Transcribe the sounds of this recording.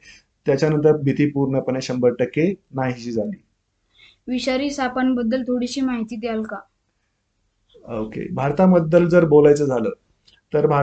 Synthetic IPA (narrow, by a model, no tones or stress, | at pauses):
t̪jat͡ɕjanənt̪̬əɾbʱit̪iːpuɾɳəpəneɕəmbəɾʈəkːenaɦiɕiːd͡zʱaliː | ʋiɕaɾiːsapənbəd̪ːəlt̪ʰoɽiɕiːmaɦit̪iːd̪ealka | okḛbʱaɾt̪aməd̪ːəld͡zəɾbolajt͡səːd͡zʱalə̰ː | t̪əɾbʱa